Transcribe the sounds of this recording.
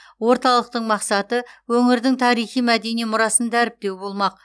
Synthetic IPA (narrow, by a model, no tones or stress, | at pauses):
wo̞ɾt̪ɑlˠəq̚t̪əɴmɑqsɑt̪əwɵŋɪɾd̪ɪŋt̪ʰɑɾijχijmæd̪e̞nijmʊɾɑsənd̪æɾɪp̚t̪e̞wbo̞lˠmɑq̚